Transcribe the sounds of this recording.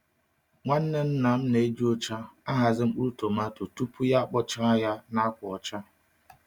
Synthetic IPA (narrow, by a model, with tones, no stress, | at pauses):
ŋʷa˦n̩˦ne˦n̩˦na˨m̩˦ne˨e˦d͡ʒi˦o˦t͡ʃa˦a˦ɦa˨zɪ˦ŋ͡m̩˦k͡pu˦ɾu˦to˨ma˦to˨tu˦pʰu˦ja˦k͡pɔ˦t͡ʃa˦a˦ja˦na˦kʷʊ˨ɔ˨t͡ʃa˦